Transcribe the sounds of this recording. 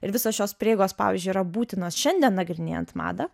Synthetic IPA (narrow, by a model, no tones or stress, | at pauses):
ɪɾʋʲɪsoːsʃʲoːspʲɾʲeːɡoːspɑ̰ːʋʲḭːzʲd͡ʒʲʊiɾɐbuːt̪ʲɪnoːsʃʲɛnʲd̪ʲiɛnːɐɡɾʲɪnʲḛjɛ̰nt̪mɑ̰ːd̪ɐ